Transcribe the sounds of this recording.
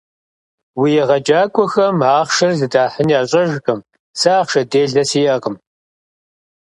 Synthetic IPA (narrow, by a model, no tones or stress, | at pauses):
wijɛʁɐd͡ʒʼaːkʷʼɔxɐmaːχʃɐrzɨdaːħəniaːɕʼɐʒkʼɨm | saːχʃɐdeːɮɐsiːʔɐqəm